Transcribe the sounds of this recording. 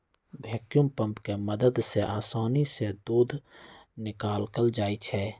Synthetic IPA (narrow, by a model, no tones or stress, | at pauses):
bʱɛːkjumpə̃mpkeməd̪əd̪seʔaːsaːnised̪uːd̪ʱnɪkaːlkəld͡ʒaːit͡ʃʰɛː